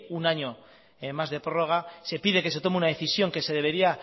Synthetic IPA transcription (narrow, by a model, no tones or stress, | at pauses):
unaɲo̞ | emːazðe̞pɾo̞ro̞ɣ̞ase̞piðe̞ke̞s̬e̞t̪o̞meunaðe̞θisjo̞ŋke̞se̞ðe̞β̞e̞ɾia